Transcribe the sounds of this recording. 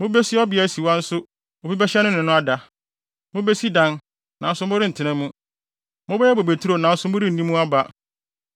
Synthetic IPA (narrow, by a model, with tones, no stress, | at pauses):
mʊ̃˦be˦sɪ˦ɔ˦bɪ˨˦æ˨˦si˨wa˦n̩˦sʊ˦ | o˨bi˦bɛ˦ɕɛ˦nʊ̃˦nɪ̃˨nʊ̃˦a˦da˨ | mʊ̃˦be˦si˦dã˦n | nã˨n̩˦sʊ˦mʊ̃˦ɾɪ˦n̩˨tʰɪ˦nɛ̃˦mũ˦ | mʊ̃˦bɛ˦ɛ˦bo˨be˨tʰu˦ɾo˨nã˨n̩˦sʊ˦mʊ̃˦ɾɪ˦˨nĩ˦mũ˦a˦ba˦